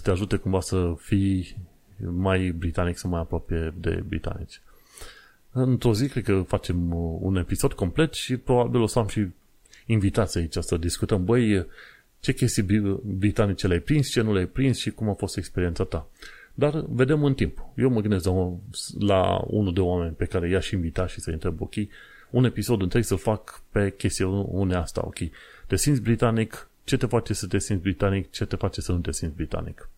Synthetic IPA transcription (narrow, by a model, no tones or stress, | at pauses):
ət̪eaʒut̪e̞kumvasəfij | majbɾit̪aniksawmajapɾoapeje̞d̪ḛbɾḭt̪a̰nḭt͡ʃʲ | ɨnt̪ɾo̞zikɾe̞d̪̚kəfat͡ʃe̞mṵne̞piso̞d̪̚ko̞mple̞t̪ʃipɾo̞babilo̞səamʃiː | nvit̪at̪sʲait͡ʃʲasəd̪iskut̪əmbəj | t͡ʃe̞kʲe̞st̪ijbɾit̪anit͡ʃeleajpɾinst͡ʃe̞nulajpɾinsʃikumafo̞st̪e̞kspeɾient̪sat̪a | d̪arve̞d̪e̞mɨnt̪impje̞wməɡɨnd̪estl | la̰ṵnud̪eoame̞nʲpe̞kaɾe̞jaʃinvit̪at̪ʃisəint̪ɾe̞bo̞̰kʲej | une̞piso̞d̪ɨnt̪ɾe̞ɡsəlfakpe̞kʲe̞st̪ijuneast̪a̰o̞̰kʲej | t̪e̞sint̪sʲbɾit̪anik | t͡ʃe̞t̪e̞fat͡ʃe̞sət̪e̞sinsbɾit̪anikt͡ʃe̞t̪e̞fat͡ʃe̞sənut̪e̞sint̪ʲbɾit̪a̰nḭk